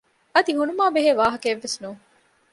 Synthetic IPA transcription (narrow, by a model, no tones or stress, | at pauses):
ɐd̪iɦunumaːbeɦeːʋaːɦɐkːʋːesnuːŋ